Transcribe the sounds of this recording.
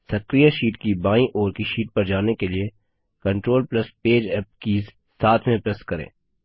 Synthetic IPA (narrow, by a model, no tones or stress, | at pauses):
sɐkɾijaʃiːʈkibaːĩʔɔːɾkiʃiːʈ̚pɐɾd͡ʒaːnekelie | kɐ̃ɳʈɾoːlplɐspeːd͡ʒɛːp̚kiːz | saːt̪ʰmẽpɾɛskɐɾḛ̃ː